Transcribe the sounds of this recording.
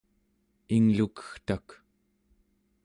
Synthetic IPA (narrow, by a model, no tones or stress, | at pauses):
iŋlukə̥xt̪ak